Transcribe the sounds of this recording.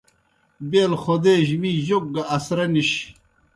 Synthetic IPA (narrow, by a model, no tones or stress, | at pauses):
beːlxod̪eːʑmiːʑok̚ɡɐʔɐsɾɐniɕ